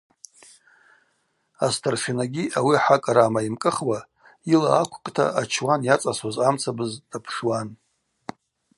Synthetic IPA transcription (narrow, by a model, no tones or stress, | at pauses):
astʰarʃinaɡʲiʔawiaħakʼaɾamaimkʼɨχwa | ilaːkʷʰʼqʼtʰa̰ʔat͡ʃʰwanjat͡sʼaswazamt͡sʰabɨzdapʰʂwan